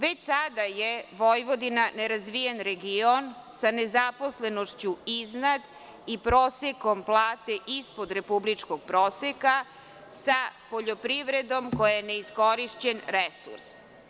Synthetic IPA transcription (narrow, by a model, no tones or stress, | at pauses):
ʋet͡ɕsad̪ajeʋojʋo̞d̪inane̞ɾazʋijenɾeɡionsane̞zapo̞sle̞noʃt͡ɕuiznad̪ | ipɾoːseko̞mplˠaːt̪eʔispo̞d̪ɾe̞publit͡ʂko̞ɡ̚pɾoːseka | sapo̞ʎo̞pɾiʋɾed̪o̞mkojajene̞iskoɾiʃt͡ɕenɾesṵɾs